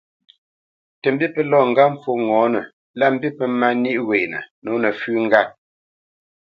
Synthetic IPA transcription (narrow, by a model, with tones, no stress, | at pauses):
tə˨m̩˦bi˦pə˦lɔ˦˨ŋ̩˨ɡa˦m̩˦fo˦ŋɔ̃ː˨˦nə˨ | la˦˨m̩˦bi˦pə˦ma˦ni˦ʔwe˨nə̰˨no˨˦nə˨fʉ˦ŋ˦ɡa˦